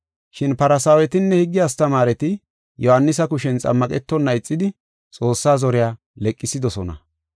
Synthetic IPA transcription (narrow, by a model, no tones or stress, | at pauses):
ʃɪnpɐɾɐsaːwɛt̪ɪnːɛhɪɡːɪjast̪ɐmaːɾɛt̪ɪ | jɔhɐnːɪsɐkʊʃɛnt͡sʼɐ̰mːɐkʼɛt̪ːɔnːɐɪt͡sʼːɪd̪ɪ | t͡sʼo̞ːsːaːzɔɾɪjaː | lɛkʼːɪsɪd̪ɔsɔnɐ̰